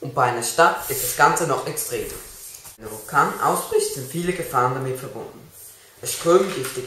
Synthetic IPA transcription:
ʔʊnt̚b̥aɪʔaɪnɐʃtatɪstd̥asɡ̥ant͡sənɔχʔɛkstʁ̥eːmnəvʊlkʰaːnnʔa̰ʊsb̥ʁɪçtz̥ɪntfiːləɡəfaːʁəndamɪtfɛɐbʊndn̩ | ʔəsʃtʁ̥øːmən̩ɡɪftə

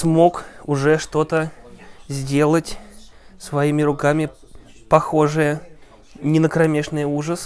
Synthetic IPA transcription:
smo̞kʊʐɛʂt̪o̞t̪əzʲdʲe̞lˠətʲ | svɐimʲɪɾʊkamʲɪ | pɐxo̞ʐɨjə | nʲɪnəkɾɐmʲeʂnɨjuʐəs

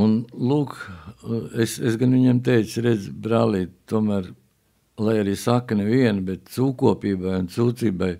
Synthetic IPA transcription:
unlˠuːk | esesɡanʋiɲemt̪ɛjt̪sɾed̪zbɾaːliːt̪t̪ːuɔmæːɾ | lˠajaɾiːsakːneʋiɛnbet̪̚suːkuɔpiːbajunt̪suːt̪siːbaj

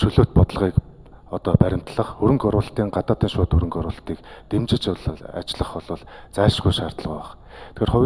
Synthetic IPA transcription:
ʃɵɮoːt̪̚pɔt̪ɞ̆ɮʁiːk | ɔt̪ɔːpæɾʲɪ̆m̥t̪ɮə̆χɵɾɵ̆ŋkɔɾʊːɮt̪iːŋɢat̪aːt̪iːnʃʊːt̪ɵɾɵ̆ŋkɔɾʊːɮt̪iːkt̪emt͡ɕɪ̆t͡ɕɮa̰t͡ɕɪɮə̆χɔɮɞ̆ɮt͡sæːʃɡujʃaːr̥t̪ə̆ɮʁuːaχ | t̪ʰxeːrχʊwʲ

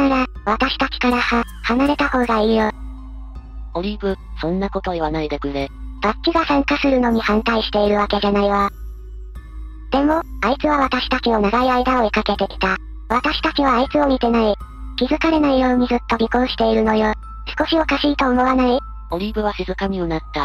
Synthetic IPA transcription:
naɾaβat̪aɕi̥t̪akʲi̥kaɾaha | hanaɾe̞t̪aho̞ːɡaiːjo | o̞ɾʲibɯ̟sõ̞nːako̞t̪o̞iβanaid̪ekɯ̟ɾeb̥akʲːiɡasãŋkasɨɾɯ̟no̞ɲ̟ihãnt̪aiɕi̥t̪e̞iɾɯ̟βake̞ʑanaiβa | d̪̥e̞mo̞ait͡sɨβaβat̪aɕi̥t̪akino̞naɡaiaid̪ao̞ekake̞t̪e̞kʲi̥t̪a | βat̪aɕi̥t̪akiβ̞aːit͡sɨo̞mʲit̪e̞nai | kʲizɨkaɾe̞naijo̞ːɲ̟izɨt̪ːo̞ɾʲikõ̞ːɕi̥t̪e̞iɾɯ̟no̞jo | sɨ̥ko̞ɕio̞kaɕiːt̪o̞ːmo̞βanai | o̞ɾʲibɯ̟βaɕizɨkamʲionat̪ːa

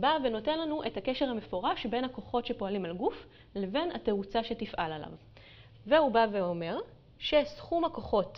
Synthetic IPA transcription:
baveno̞te̞nlanuʔe̞thakeʃehame̞fo̞ʁaʃbe̞nhako̞χo̞tʃe̞po̞alimalɡuf | le̞ve̞nate̞ut͡saʃe̞tifʔalala̰v | veubaveo̞me̞ʁ | ʃe̞sχumako̞χo̞t

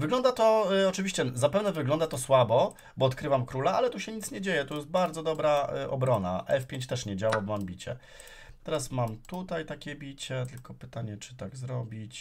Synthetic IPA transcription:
vɘɡlɔnd̪at̪ɔɔt͡ʂɘvʲiɕt͡ɕɛzapɛvnɛvɘɡlɔnd̪at̪ɔswabɔ | bɔːt̪kɾɘvamkɾulaalɛt̪uɕɛɲit̪sɲɛd͡ʑejɛt̪ɔjɛs̬t̪̚baɾd̪zɔd̪ɔbɾaʔɔ̰bɾɔna̰ʔɛfpʲjeɲt͡ɕt̪ɛʂɲɛd͡ʑawabɔmambʲit͡ɕɛ̰ | t̪ɛɾasmamt̪ut̪ajt̪akʲɛbʲit͡ɕɛt̪ɘlkɔpɘt̪aɲɛt͡ʂɘ̥t̪aɡzɾɔbʲit͡ɕ

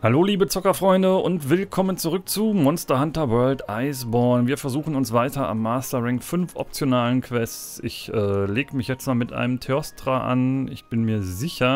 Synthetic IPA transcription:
haloːliːbət͡sʊkɐfʁ̥ɔʏndəʊntv̥ɪlkʰɔmənt͡suʁʏk̚t͡suːmɔnstɐhantɐvœɐltʔaɪsbɔɐnviːɐfɛɐzuːxn̩ʊnsv̥aɪtɐa̰mːaːstɐʁɪŋkfʏnfʔɔ̰p̚t͡sjonaːlənkʰv̥ɛst͡sɪçʔɛːleːɡəmɪçjɛt͡stmaːlmɪtʔa̰ɪnəmtʰeɔstʁ̥aʔa̰nɪ̰çb̥ɪnmiːɐzɪçɐ

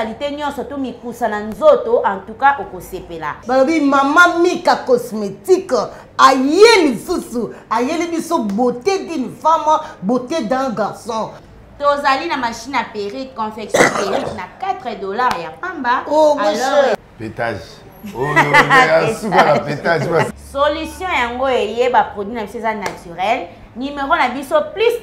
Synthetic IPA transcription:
aliteɲɔ̃nsɔtomikusananzotoʔãntukaʔokosepela̰balobimamamikakɔsmetik | ajelisusuajelibisoboteɡinfamabotedãɡaʁsɔ̃ | tozalinamaʃinapeʁikɔ̃fɛksɔ̃peʁiknakatʁɛdolaʁjapambaoɔ | petaʒ | apetaʒasolysjɔ̃jaŋɡoejebapʁodwinabisoezanatyʁɛl | nimeʁonabisoplis

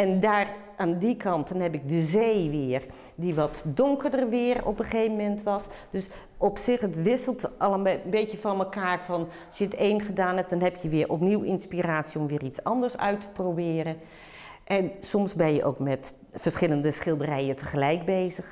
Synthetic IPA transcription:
ɛndaːr | ʔaːndikʰɑntənɦɛpɪk̚dəzejʋɪːər | diʋɔtdʊŋkərdərʋɪːərɔ̰pəχeːvəmɛntʋɑsd̥øs | ɔpsɪxətʋɪsəlˠtɑlˠəbeːkjəfɔnməkaːrfɔn | ɑsjəteːnχədaːnɛp̚dɔnɦɛpjəʋɪːɹʔɔpniwɪ̰nspiraːtsiɔmʋɪːrit͡sɑ̰ndərsœ̰ɥtʰə̥probɪːɾə | ʔɛnsɔmsbɛnjəʔo̰wkmɛt | fərsχɪləndəsχɪlˠdərɛjətʰəχəlɛjk̚beːzəx

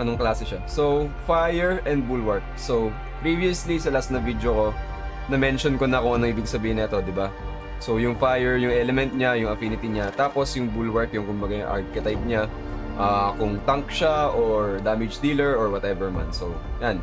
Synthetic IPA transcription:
ʔɐnoŋklaːsɛʃasowfajɛɹɛnd̪̚bulwɐɹk̚sow | pɹiviɐslisɐlasnɐvid̪joko̞ | nɐmɛnʃonkonɐkʊŋɐnoŋʔiːbɪɡsɐbiːhɪnɐɛt̪o̞d̪ɪba | so̞jʊŋfajɛɹjʊŋʔɛlɛmɛnt̪̚ɲajʊŋɐfinɪt̪iɲat̪aːpo̞sjʊŋbulwɛɹkjʊŋkʊmbɐɡaʔa̰ɹkɛt̪ɐjp̚ɲa | ʔaːkʊŋt̪ɐŋk̚ʃaʔoɹd̪amɪd͡ʒd̪iːlɛɹʔoɹwɐt̪ɛvɛɹma̰nsowjan

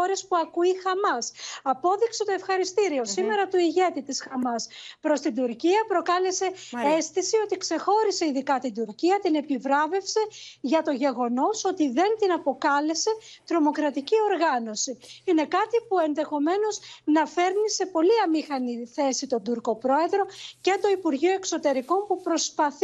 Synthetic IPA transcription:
oɾe̞spuɐkuixɐmɐsɐpo̞ðikse̞t̪o̞e̞fxɐɾist̪iɾio̞sime̞ɾɐt̪uiʝe̞t̪it̪isxɐmɐspɾo̞st̪ind̪uɾciɐpɾo̞kɐle̞se̞est̪isio̞t̪ikse̞xo̞ɾise̞iðikɐt̪ind̪uɾciɐt̪ine̞pivɾɐve̞fse̞ʝɐt̪o̞ʝe̞ɣo̞no̞so̞t̪iðe̞nt̪inɐpo̞kɐle̞se̞t̪ɾo̞mo̞kɾɐt̪icio̞ɾɣɐno̞siine̞kɐt̪ipue̞nðe̞xo̞me̞no̞znɐfe̞ɾnise̞po̞liɐmixɐniθe̞sit̪o̞nd̪uɾko̞pɾo̞e̞ðɾo̞ce̞t̪o̞ipuɾʝioe̞kso̞t̪e̞ɾiko̞npupɾo̞spɐθ

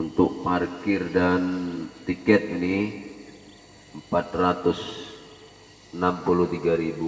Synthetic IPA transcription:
unt̪ʊk̚markɪrdant̪ikɛt̪̚ini | əmpat̪̚rat̪ʊs | ənampulut̪iɡaɾibu

